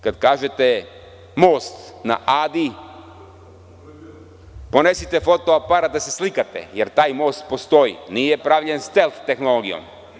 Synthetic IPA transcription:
kad̪kaːʒet̪e | mo̞ːst̪na̰ʔaːd̪i | po̞ne̞sit̪efo̞t̪oapaɾad̪aseslikat̪ḛjeɾt̪aːjmo̞ːst̪po̞st̪o̞jḭnijepɾaʋʎenst̪elft̪e̞xnoloɡijo̰m

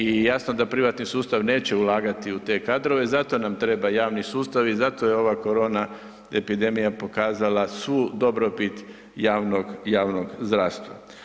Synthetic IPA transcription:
ijasnod̪apɾiʋat̪nisuːst̪aʋne̞ːt͡ɕe̞ulˠaːɡat̪iut̪e̞ːkad̪ɾo̞ʋe̞zat̪o̞namt̪ɾe̞bajaːʋnisuːst̪aʋizat̪o̞jeo̞ʋako̞ɾo̞ːna | e̞pid̪e̞mijapo̞kaːzalasʋuːd̪o̞bɾo̞pit̪ | jaːʋnoɡjaːʋno̞ɡzd̪ɾaːst̪ʋa̰

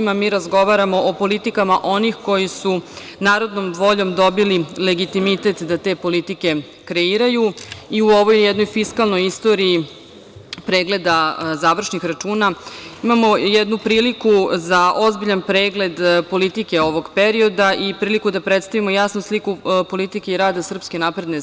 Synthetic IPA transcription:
imamiːɾazɡo̞ʋaɾamo̞ʔopo̞lit̪ikamaʔo̞nixko̞jisu | naːɾo̞d̪nomʋo̞ʎo̞md̪o̞bilile̞ɡit̪imit̪e̞t̪d̪at̪e̞po̞lit̪ike̞ | kɾe̞iːɾajuiuo̞ʋo̞jjɛd̪no̞jfiskalˠno̞jist̪o̞ːɾiji | pɾeːɡle̞d̪azaʋr̩ʃnixɾat͡ʂuːnaimamo̞jɛd̪nupɾiːlikuzaʔo̞zbiʎanpɾe̞ːɡle̞d̪po̞lit̪ike̞o̞ʋo̞ɡpeɾio̞d̪aʔipɾiːlikud̪apɾet̪st̪aʋimo̞jasnuslikupo̞lit̪ikeiɾaːd̪asr̩pske̞napɾed̪ne

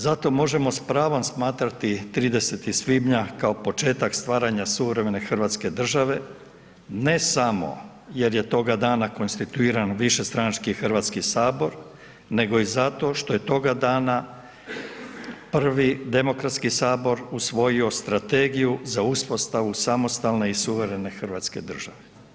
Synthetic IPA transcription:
zat̪o̞mo̞ʒe̞mo̞spɾaːʋo̞msmaːt̪ɾat̪it̪ɾiːd̪e̞se̞t̪isʋibɲakaopo̞t͡ʃe̞ːt̪akst̪ʋaːɾaɲasuʋɾe̞me̞ne̞xr̩ʋaːt̪ske̞d̪r̩ʒaʋe̞ | nesamo̞̰ | je̞ɾje̞t̪o̞ɡad̪aːnako̞nst̪it̪uiːɾanʋiʃe̞st̪ɾanat͡ʃkixr̩ʋat̪skisaːbo̞ɾ | ne̞ɡo̞izat̪o̞ʃt̪o̞je̞t̪o̞ɡad̪aːna | pr̩ʋid̪e̞mo̞kɾat̪skisaːbo̞ɾusʋo̞jio̞st̪ɾat̪e̞ɡijuzauspo̞st̪aʋusamo̞st̪alˠne̞isuʋe̞ɾe̞ne̞xrʋaːt̪ske̞̰d̪r̩ʒaʋe

